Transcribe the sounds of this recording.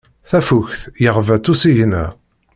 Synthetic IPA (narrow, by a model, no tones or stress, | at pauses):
θæfuçθjəʁvæt͡sːusiʝnæ̰